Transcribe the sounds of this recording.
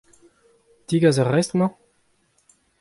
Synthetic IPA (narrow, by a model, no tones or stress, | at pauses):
d̪̥iɡazaʁɛst̪mɑ̃